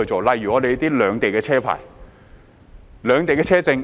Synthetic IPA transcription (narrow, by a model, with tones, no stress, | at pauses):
ɵ˧t͡so˨wlɐ˨jyː˨˩ɔː˨˧le˨˧t̪iː˥lœː˨˧ŋt̪e˨jkɛː˧t͡ɕʰɛː˥pʰa̰ː˨˩j | lœː˨˧ŋt̪e˨jkɛː˧t͡ɕʰɛː˥t͡sɪ˧ŋ